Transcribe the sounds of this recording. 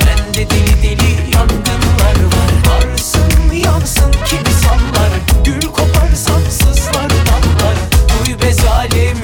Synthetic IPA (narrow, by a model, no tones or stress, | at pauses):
bænd̪ɛd̪ild̪ilʲijanɡ̪ɯnlˠaɾɯɾlaɾsɯnmɯjansɯncʰimisanlˠaɾɟ̪̥yɾykʰo̞pʰaɾsansɯzlˠaɾb̪anlˠaɾbujbezaːlʲɛm